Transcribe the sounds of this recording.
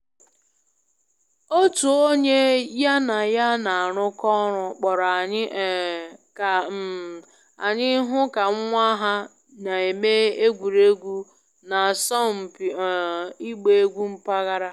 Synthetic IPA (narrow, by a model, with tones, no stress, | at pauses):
o˦tu˨o˦ɲe˦ja˦na˨ja˦na˨a˨ɾʊ˦kɔ˦ɾʊ˨k͡pɔ˨ɾa˨˦˨k | a̰˨ɲɪ˦ɦʊ˦ka˨ŋ̩˦ŋʷa˦ɦa˦ | na˨e˨me˦e˦ɡʷu˨ɾe˦ɡʷu˦ | na˨sɔ˦m̩˨pi˦ɡ͡be˨e˦ɡʷu˦m̩˨pa˦ɣa˦ɾa˦